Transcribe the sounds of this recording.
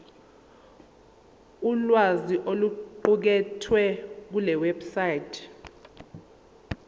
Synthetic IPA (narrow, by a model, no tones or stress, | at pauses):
ulwaziʔoluǃuk̬ɛtʰwɛk̬ulɛwɛbsajtʰ